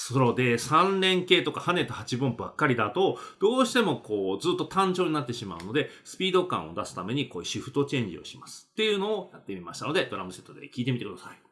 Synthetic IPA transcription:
so̞ɾod̪e̞sãnɾẽ̞ŋke̞ːt̪o̞kahane̞t̪ːohat͡ɕibɯ̃mbakːaɾʲid̪at̪o̞d̪̥o̞ːɕi̥t̪e̞mo̞ko̞ːzɨːt̪ːot̪ãɲ̟d͡ʑo̞ːɲ̟inat̪ːe̞ɕima̰ɯ̟no̞d̪e̞sɨ̥pʲiːd̪o̞kã̰o̞̰d̪asɨ̥t̪ame̞ɲ̟iko̞ːiɕiɸɯ̟̥t̪o̞t͡ɕẽ̞ɲ̟d͡ʑḭo̞̰ɕimasɨ̥t̪ːe̞jɯ̟no̞ːjat̪ːe̞mʲimaɕi̥t̪ano̞d̪e̞d̪o̞ɾamɯ̟se̞t̪ːod̪e̞̰kʲiːt̪e̞mʲit̪ekɯ̟d̪asai̥

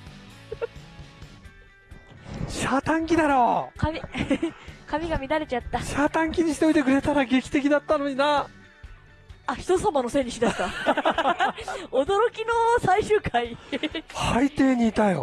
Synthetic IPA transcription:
ɕaːt̪ãŋkʲid̪aɾo̞ːkamʲi | kʰamʲiɡamʲid̪aɾe̞t͡ɕat̪ːaɕaːt̪ãŋkʲiɲ̟içi̥t̪o̞it̪e̞kɯ̟ɾe̞t̪aɾaɡe̞kʲi̥t̪e̞k̬ʲid̪at̪ːano̞ɲ̟ina | açi̥t̪osamano̞sẽ̞ɲːiɕid̪aɕt̪a | od̪o̞ɾo̞kʲinosaiɕɨːkʰaihait̪e̞ːɲ̟iːt̪ajo̰

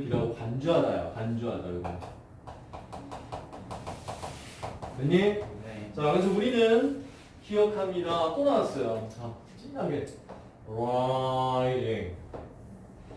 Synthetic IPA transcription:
kiɾaɡokand͡ʑuɦaɾajo̰kand͡ʑuɦanaɡɯɡʌno | neɲet͡ɕakɯsʰʌuɾinɯn | kijʌkʰamɲiɾat͈onaas͈ʌjot͡ɕʰa | t͡ɕ͈ʰinːaɡe | ɾajtje

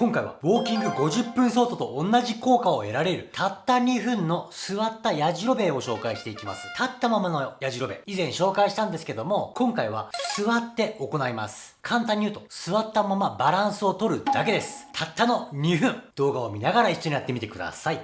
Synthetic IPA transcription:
kõ̞ŋkaiβa̰βo̞ːkʲĩŋɡɯ̟ɡo̞ʑɨpːɯ̟̃ɰ̃so̞ːt̪o̞t̪o̞ʔonːaʑiko̞ːkao̞e̞ɾaɾe̞ɾɯ̟t̪ʰat̪ːaɲ̟iɸɯ̟̃nːo̞sɨβat̪ːajaʑiɾo̞be̞o̞ɕo̞ːkaiɕi̥t̪e̞ikʲima̰sɨ̥t̪ʰat̪ːamamano̞jaʑiɾo̞be̞̰izẽ̞ɰ̃ɕo̞ːkaiɕi̥t̪ãnd̪esɨ̥ke̞d̪o̞mo̞kõ̞ŋkaiβ̞a̰sɨβat̪ːe̞o̞ko̞naima̰sɨ̥kʰãnt̪ãɲ̟ːiɯ̟t̪o̞sɨβat̪ːamamabaɾãɰ̃sɨo̞t̪o̞ɾɯ̟d̪ake̞d̪e̞sɨ̥t̪ʰat̪ːano̞ɲ̟ʲiɸɯ̟̃ɴd̪̥o̞ːɡao̞mʲinaɡaɾaiɕːo̞ɲijat̪ːemit̪ekɯ̟d̪a̰sai

